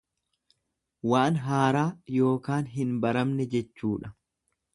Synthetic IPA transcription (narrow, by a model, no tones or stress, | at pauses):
waːnɦaːɾaːjo̞ːkaːnɦɪnbɐɾɐmnɛd͡ʒɛt͡ʃːuːᶑɐ